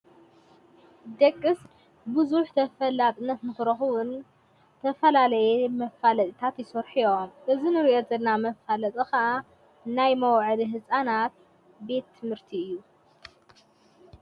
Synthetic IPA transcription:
d̪ɐkʼːɨs | bɨzuħt̪ʰɐfɐlːat̪ʼɨnːɐt̪nɨxɨɾɐxuwɨn | t̪ʰɐfɐlalɐjemɐfalɐt̪ʼit̪ʰat̪jɪsoɾħijomʔɨzinɨɾiʔozɐlnamɐfalɐt̪ʼɨxaʔa | najmɐwʕɨliɦɨsʼanat̪̚ | be̞t̪ʰːɨmhɨɾt̪ʰiɨjːu

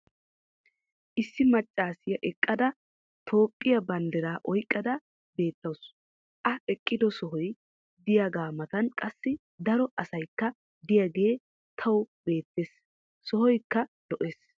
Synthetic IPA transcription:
ʔɪsːɪmɐt͡ʃʼːaːsɪjɐʔɛkʼːɐd̪ɐ | t̪ʰo̞ːpʼːɪjɐbɐnd̪ɛɾaːʔɔjkʼːɐd̪ɐ | be̞ːt̪ːɐws | ʔɐɛkʼːɪd̪ɔsɔɦɔj | d̪ɪjaɡaːmɐt̪ɐnkʼɐsːɪ | d̪ɐɾɔʔɐsɐjkːɐ | d̪ɪjaɡe̞ː | t̪ʰɐwbe̞ːt̪ːeːs | sɔhɔjkːɐlɔʔeːs

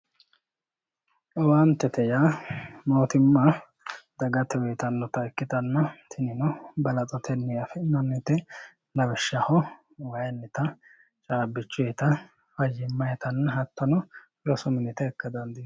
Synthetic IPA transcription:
ʔɔwant̪ɛt̪ɛjaːmoːt̪ɪmːɐ | d̪ɐɡɐt̪ːɛwɛt̪ɐnːɔt̪ɐɛkːɪt̪ɐnːɐt̪ʰɪnɪnɔbɐlɐt͡sʼɔt̪ʰɛnːɪjafɛnɔnːɪt̪ɛ | lɐwɛʃːɐhɔ | wɐjnːɪt̪ɐ | t͡ʃʼaːbɪt͡ʃːʊɛt̪ɐ | fɐjɪmːɐjɛt̪ʰɐnːɐɦɐt̪ːɔnɔfɪɾɔsʊmɪnɪt̪ɛːkːɐd̪ɐnd̪ɪ

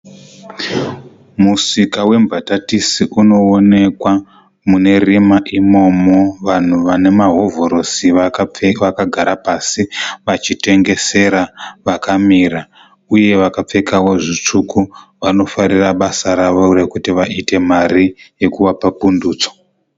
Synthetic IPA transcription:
musikawe̞mbʱatatisiʔuno̞ːne̞kwa | mune̞rimaʔimo̞moʋan̤uʋane̞maɦo̞vo̞ɾo̞siʋakaɡʱaɾapasiʋat͡ʃite̞ŋɡe̞se̞ɾaʋakamiɾa | uje̞ʋakap͡fe̞kawo̞ʐit͡ʂukuʋano̞faɾiraɓasaɾaʋo̞re̞kutiʋaite̞marije̞kuʋapapunduːt͡so̥

